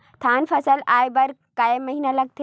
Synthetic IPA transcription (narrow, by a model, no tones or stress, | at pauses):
t̪ʰaːnfʰɐsəlaːjbɐɾkamːɐɦinalɐɡ̚t̪e